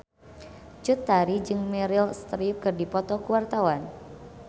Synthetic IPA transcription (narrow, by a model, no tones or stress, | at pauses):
t͡ʃut̪ːaɾid͡ʒɨŋmɛɾilst̪ɾip̚kɨrdipɔt̪ɔkuwart̪awan